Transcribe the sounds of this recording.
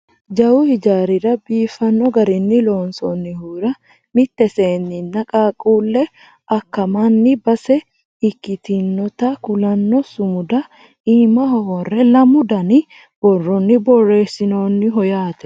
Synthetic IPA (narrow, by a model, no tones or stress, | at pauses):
d͡ʒɐwʊhɪd͡ʒaːɾɪɾɐbiːfɐnːɔɡɐɾɪnːɪlo̞ːnsɔnːɪhuːɾɐ | mɪt̪ːɛseːnːɪnːɐkʼaːkʼuːlːɛ | ʔɐkːɐmɐnːɪbɐsɛ | ɪkːɪt̪ɪnːɔt̪ɐkʊlɐnːɔsʊmʊd̪ɐ | iːmɐhɔhɔrːɛlɐmʊd̪ɐnɪ | b̥ɔrːɔnːɪbɔrːe̞ːsɪnoːnːɪɦɔjaːt̪ɛ̥